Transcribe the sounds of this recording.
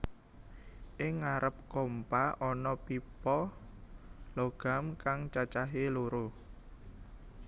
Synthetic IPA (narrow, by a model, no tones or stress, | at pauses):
ʔɪŋːaɾəp̚kɔmpaʔɔnɔpipɔ | lɔɡ̥a̤mkaŋt͡ʃat͡ʃaɦeloɾo